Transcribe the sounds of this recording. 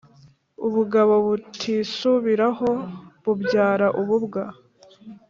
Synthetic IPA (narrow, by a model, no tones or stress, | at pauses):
uβuɡaβo̞βutʰiːsuβiɾaho̞βubɟaːɾaʔuβubɡa